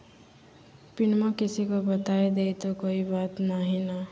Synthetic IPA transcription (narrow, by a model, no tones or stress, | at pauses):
pinmʌkisikobʌt̪ajd̪ejt̪okoibat̪naɦinʌ